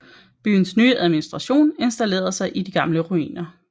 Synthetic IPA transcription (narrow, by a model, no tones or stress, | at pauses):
b̥y̰ːn̩snyːəʔæð̞ˠminisd̥ʁɑ̈ɕo̝̰ːne̝nsd̥æle̝̰ːɐðˠsɑ̈ɪʔid̥iɡ̥ɑ̈mləʁuḭːnɐ